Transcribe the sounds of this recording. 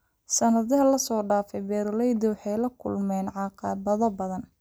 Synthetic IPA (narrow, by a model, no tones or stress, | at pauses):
sɐnɐðɐɦɐlɐsɔːɖaːfɛjbɛːɾlɛjd̪ɪwɑħɑjlɐkʰʊ̰lmɛːnʕɑqɑːbɐðɔbɐðɐn